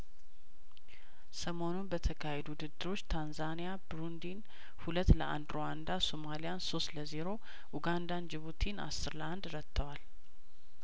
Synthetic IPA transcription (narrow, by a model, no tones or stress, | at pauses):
səmo̞nunbət̪ʰəkʰahed̪uwud̪ɨd̪ːɨɾo̞t͡ʃːt̪ʰanzanijabɾund̪in | hulət̪ːləʔa̰nd̪ɾowand̪asomalijanso̞st̪ləzeɾo̞ | ʔuɡand̪and͡ʒɪβut̪ʰina̰sːɨɾləand̪ɾət̪ʰːəwal